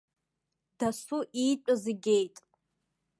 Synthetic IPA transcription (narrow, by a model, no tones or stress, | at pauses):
d̥asuʔit͡ʃʷʼaziɡʲejtʼ